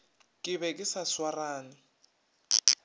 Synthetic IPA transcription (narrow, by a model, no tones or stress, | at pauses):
kʼɪβɛkʼɪsaswaraːna